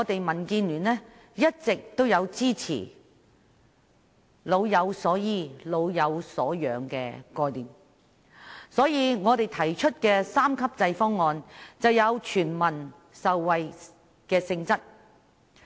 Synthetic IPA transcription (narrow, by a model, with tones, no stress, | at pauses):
ŋɔː˨˧t̪e˨jmɐ˨˩nkiː˧nlyː˨˩nlɛː˥ | jɐ˥t̚t͡sɪ˨k̚t̪o˥wjɐ˨˧wt͡siː˥t͡sʰḭː˨˩ | lo˨˧wjɐ˨˧wsɔː˨˥jiː˨˧lo˨˧wjɐ˨˧wsɔ̰ː˨˥jœː˨˧ŋkɛ̰ː˧kɔː˧jliː˨m | sɔː˨˥jiː˧ŋɔː˨˧t̪e˨jt̪ʰɐ˨˩jt͡ʃʰɵ˥t̚kɛː˧saː˥mkʰɐ˥p̚t͡sɐ˧jfɔː˥ŋːɔː˨˧nt͡sɐ˨wjɐ˨˧wt͡ʃʰyː˨˩nmɐ˨˩n | sɐ˨wːɐ˨j | kɛː˧sɪ˧ŋt͡sɐ˥t̚